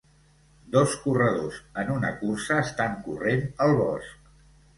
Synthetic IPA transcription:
d̪ɔskurəð̞ozənunə̰kursəːst̪aŋkurenəlˠβɔ̰sk

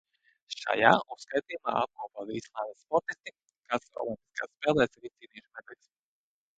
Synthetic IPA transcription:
ʃa̰ja̰ːuskajt̪iːjuma̰ːap̚kuɔpavislˠaːd̪aspɔɾt̪ist̪i | kasɔ̰lˠimʲpi̥ska̰ːsspɛːlˠɛːsɾit̪iːniɛʃmɛd̪ɛlʲs

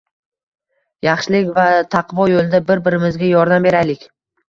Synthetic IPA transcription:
jɑχʃɪlɪkʲvat̪ʰɑqvɒjolˠɪd̪abɪɾbɪɾɪmɪzɡʲajɒɾd̪ambe̞ɾajlɪkʲ

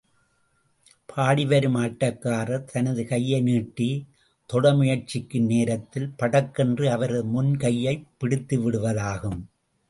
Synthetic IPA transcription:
pʰaːɽɪʋɐɾɯmaːʈːɐkːaːrɐt̪ʰɐnɐðɯkɐjːɐɪniːʈːi | t̪ɔɽɐmʊjɐɾt͡ʃɪkːɯneːɾɐt̪ːɪlpɐɽɐkːɛndrɯɐʋɐɾɐðɯmʊnkɐjːɐɪpːɪɽɪt̪ːɯʋɪɽɯʋɐðaːɣɯm

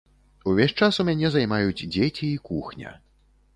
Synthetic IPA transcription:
uvʲɛʂt͡ʂasumʲanʲɛzajmajud͡zʲd͡zʲet͡sʲiːkuxnʲɐ̰

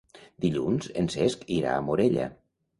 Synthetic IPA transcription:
d̪̥iʎunz̥enseskiɾa̰ːmoɾeʎa̰

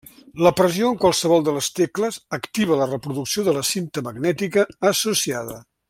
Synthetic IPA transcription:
ləpɾəzioəŋkwalˠsəβɔlˠd̪ələst̪ekləzəkt̪iβ̞ələrəpɾuðuksioðələsint̪əməɡnɛt̪ikəːsusiaðə̰

